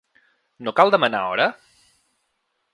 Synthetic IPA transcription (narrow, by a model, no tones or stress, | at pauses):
nokalˠd̪əməna̰ɔ̰ɾə